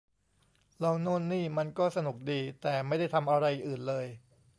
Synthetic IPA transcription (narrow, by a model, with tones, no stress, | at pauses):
lɔː˧ŋnuː˥˩nːiː˥˩ma˧nkɔː˥˩sa˧nu˨˩k̚diː˧t̪ɛː˨˩ma˥˩jda˥˩jt̪ʰa˧mʔa˧ɾa˧jʔʔɯː˨˩nlɤː˧j